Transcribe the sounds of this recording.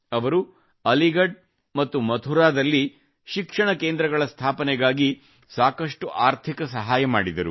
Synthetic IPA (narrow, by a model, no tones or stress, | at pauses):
ɐʋɐɾu | ɐliɡɐɖ̚ | mɐt̪ːumɐt̪ʰuɾaːd̪ɐlːi | ʃikʂɐɳɐke̞ːnd̪ɾɐɡɐɭɐst̪ʰaːpɐnɛɡaːɡi | saːkɐʂʈuʔaːɾt̪ʰikɐsɐɦaːjɐmaːɽid̪ɐɾu